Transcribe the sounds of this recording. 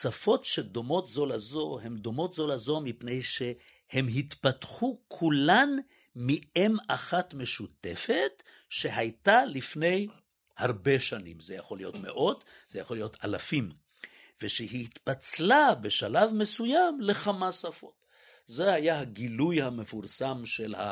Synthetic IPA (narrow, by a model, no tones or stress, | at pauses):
safo̞tʃed̪o̞mo̞tzo̞lazo̞he̞md̪o̞mo̞t̪zo̞lazomipne̞jʃe̞ | hemɦit̪patχukʰulan | miemaχat̪me̞ʃut̪e̞fet̪ | ʃe̞ɦajtalifne̞j | haʁbe̞ʃanḭmzejaχo̞lijo̞t̪me̞̰ʔo̞t̪ | z̥ejaχo̞lijo̞talafim | veʃeɦit̪pat͡slabe̞ʃalavme̞sujamle̞χamasafo̞̰t̪ | zehajaɦaɡilujhame̞fuʁsamʃelha̰